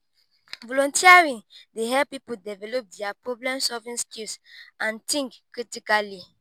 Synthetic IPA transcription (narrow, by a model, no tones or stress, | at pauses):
vɔlɔ̃ntʰiaɹĩdeɦɛpipudɛvɛlop̚dɛapɹɔblɛ̃msɔvĩnskilsʔãntĩŋkkɹitikali